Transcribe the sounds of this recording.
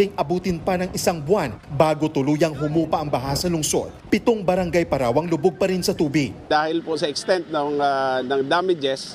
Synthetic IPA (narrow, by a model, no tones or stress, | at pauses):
ɪŋʔɐbuːt̪ɪnpɐnɐŋʔɪsaŋbwanbaːɡot̪ʊluːjɐŋɦʊmuːpɐʔɐŋbɐɦasɐlʊŋso̞̰d̪̥pɪt̪oŋbɐɾɐŋɡajpɐɾaːwɐŋlʊboɡ̚pɐɾɪnsɐt̪uːbɪɡ̚d̪aːhɪlposɐʔɪkst̪ɛnt̪̚noŋanɐŋd̪aːmɪd͡ʒɛs